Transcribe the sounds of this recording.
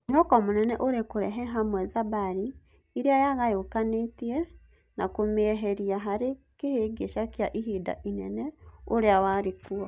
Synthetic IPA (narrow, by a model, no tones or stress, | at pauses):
ɦɔkomonɛnɛʔoɾekoɾɛ̰ɦɛɦamwɛzabaɾiː | ɾiajaɣajokanetiɛ | nakomeɦeɾiaɦaɾekeheːɡeʃakjaʔiɦiːda̰ʔinɛnɛoɾeawaɾekuɔ